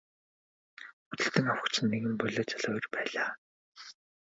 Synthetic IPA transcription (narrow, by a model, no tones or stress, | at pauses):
ut̪ɘ̆ɬt̪ɘ̆ŋawə̆kt͡ɕʰɘ̆nːeɣɘ̆mpœɮeːt͡saɮɔːjɞ̆rpæːɮaː